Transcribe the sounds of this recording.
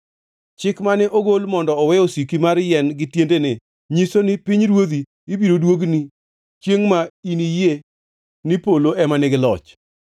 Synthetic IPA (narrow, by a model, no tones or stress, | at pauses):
t͡ʃɪkmanɛʔoɡolmɔndɔːwɛosikimaɾjɛnɡɪtjendenɪ | ɲisonɪpiɲɾwod̪iː | biɾodwoɡni | t͡ʃjeŋmainije | nipoloʔɛmanɪɡɪlɔ̰t͡ʃ